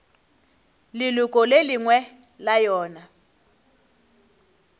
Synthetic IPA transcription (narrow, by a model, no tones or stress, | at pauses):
lilukʼɔleliŋwɛ | lajɔːna